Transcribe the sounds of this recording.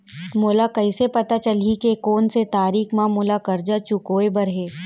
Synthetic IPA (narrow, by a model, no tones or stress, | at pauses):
moːlakɐɪsepɐt̪at͡ʃɐlikekoːnset̪aːɾiːkmãmʊːlakɐɾd͡ʒat͡ʃʊkoːebɐɾɦeː